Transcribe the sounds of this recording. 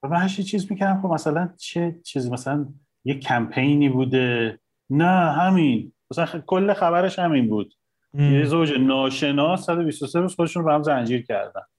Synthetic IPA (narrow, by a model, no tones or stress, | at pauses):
væmænhæʃit͡ʃʰiːzmikʰæɾæmxobmæsælænt͡ʃʰet͡ʃʰiːzimæsælæn | jekʰæmpʰe̞jniːbuːd̪e̞ | næɦæminmæsælænkʰolːexæβæɾe̞ʃhæminbuːd̪̥̚ | jezowd͡ʒenɒːʃe̞nɒːsːæd̪o̞bist̪osebusxod̪eʃunbehæmzænd͡ʒiːɾcʰæ̰ɾd̪æ̰n